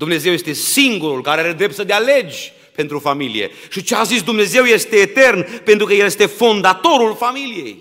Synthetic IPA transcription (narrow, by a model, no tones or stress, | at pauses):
d̪umne̞ze̞wjest̪e̞siŋɡuɾulkaɾeaɾed̪ɾe̞p̚t̪səd̪eale̞d͡ʒʲ | pe̞nt̪ɾufamilḭje̞̰ | ʃit͡ʃeazisd̪umne̞ze̞wje̞st̪e̞ːt̪e̞rnpe̞nt̪ɾukəjelje̞st̪e̞fo̞nd̪at̪o̞ɾulfamilije̞̰j